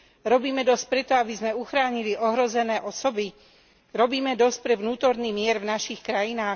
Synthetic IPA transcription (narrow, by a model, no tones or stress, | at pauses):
ɾɔbiːmɛd̪ɔsc̚pɾɛt̪ɔabizmɛuxɾaːɲiliʔɔɦɾɔzɛnɛːʔɔsɔbi | ɾɔbiːmɛd̪ɔsc̚pɾɛʋnuːt̪ɔɾnimɪɛɾvnaʃixkɾajinaːx